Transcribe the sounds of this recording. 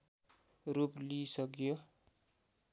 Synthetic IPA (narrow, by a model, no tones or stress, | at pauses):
ruplisʌkjo